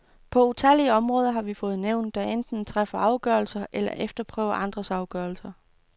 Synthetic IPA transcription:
pʰɒ̽ut͡sʰæliəɒ̽mʁɔːð̞ˠɐɦɑ̈ʋifɔ̽ːð̞̩ˠneʊ̰nd̥ːæend̥n̩t͡sʰʁafɐʔɑ̈ʊɡ̥œːɐlsɐʔelɐ̰ʔefd̥ɐpʰʁœ̰ːʊɐʔɑ̈nd̥ʁɐsɑ̈ʊɡ̥œɐlsɐ

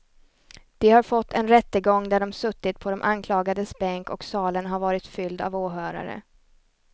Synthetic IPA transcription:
d̪̥ɛhaɾfɔt̪ʰːɛnɾɛt̪ːəɡɔŋːd̪æɖɔmsɵt̪ːɪt̪pʰɔd̪ɔmʔankʰlɑːɡad̪əsbɛŋkɔksɑːlənɦaɾvɑːɾɪt̪fʏld̪a̰voːɦœːɾa̰ɾə̰

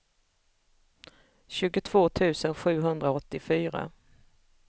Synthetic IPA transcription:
ɕʉ̟ːɡʊt̪ʰv̥oːt̪ʰʉ̟ːsənɧʉ̟ːɦɵnd̪ɾaɔt̪ːɪfyːɾa̰

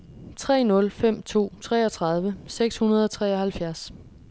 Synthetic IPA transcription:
t͡sʰʁɛ̰ːnɔ̽lfem̰t͡sʰo̝̰ːt͡sʰʁɛ̰ːɒ̽t͡sʰʁɑ̈ð̞ˠʋəseɡ̥shunɐð̞ˠɒ̽t͡sʰʁɛ̰ːɒ̽hælfjæɐs

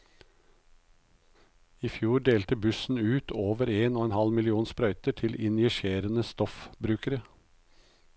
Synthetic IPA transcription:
iːfjuːɖeːlt̪əbʉsn̩ʉːt̪ʰoːʋəɾeːnoːeːnhɑlmɪlɪuːnspɾœʏt̪əʈʰɪlɪnjɛʃeːɾənəst̪ɔfbɾʉːkəɾə

